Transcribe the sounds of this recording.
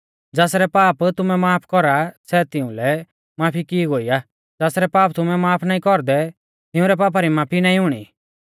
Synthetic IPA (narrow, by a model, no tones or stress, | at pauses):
d͡zaːsɾɛpaːpt̪ʊmɛmaːpʰkɔɾasɛt̪ɪʊ̃lɛ | maːpʰikiɡoːia | d͡zaːsɾɛpaːpt̪ʊmɛmaːpʰnaːĩkɔɾd̪ɛ | t̪ɪ̃ʊ̃ɾɛpaːp̬aɾimaːpʰinãːĩɦʊɽ̃ḭ